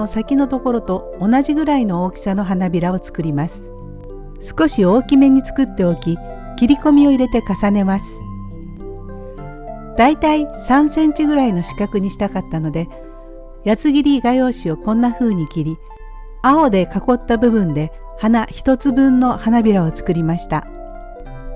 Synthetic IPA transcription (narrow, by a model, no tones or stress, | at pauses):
osakʲino̞t̪o̞ko̞ɾo̞t̪o̞ːnaʑiɡɯ̟ɾaino̞oːkʲi̥sano̞ɦanabʲiɾao̞t͡sɨ̥kɯ̟ɾʲimasɨ̥ | sɨ̥ko̞ɕio̞ːkʲime̞ɲ̟ːit͡sɨ̥kɯ̟t̪ːe̞o̞kʲi | kʲiɾʲiko̞mʲio̞iɾe̞t̪e̞kasane̞masɨ̥ | d̪̥ait̪aisãɰ̃sẽ̞ɲ̟t͡ɕiɡɯ̟ɾaino̞ɕi̥kakɯ̟ɲ̟iɕi̥t̪akat̪ːano̞d̪e̞ | jat͡sɨɡʲiɾʲiɡajo̞ːɕio̞kõ̞nːaɸɯ̟ːɲ̟ikʲiɾʲi | ao̞d̪e̞kako̞t̪ːabɯ̟bɯ̟̃nd̪e̞ | hanaçi̥t̪o̞t͡sɨbɯ̟̃nːo̞hanabʲiɾao̞t͡sɨ̥kɯ̟ɾʲimaɕi̥t̪a